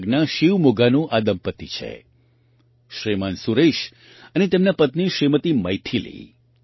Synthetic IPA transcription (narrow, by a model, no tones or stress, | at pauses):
ɡnaʃiʋmoɡanũʔad̪əmpət̪it͡ʃʰḛ | ʃɾimansuɾeʃ | ənet̪emnapət̪niʃɾimət̪imə̰jt̪ʰilḭ